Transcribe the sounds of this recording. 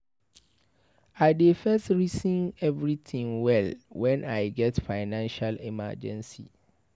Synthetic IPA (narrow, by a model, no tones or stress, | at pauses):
aɪdefɛstɹisĩnɛvɹiθʰɪ̃ŋwɛlwɛ̃naɪɡɛtfaɪnãnʃalɛma̰d͡ʒɛ̰̃nsḭ